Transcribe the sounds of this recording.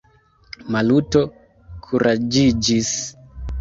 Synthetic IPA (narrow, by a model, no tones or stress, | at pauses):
maluto | kʰuɾʔad͡ʒid͡ʒis